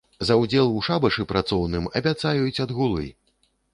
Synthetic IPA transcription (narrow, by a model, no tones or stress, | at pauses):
zɐwd͡zʲɛlˠuʂabɐʂɨpɾʔat̪sɔwnɨmɐ̰bʲat̪sajut͡sʲɐd̪ɣulˠɨ̰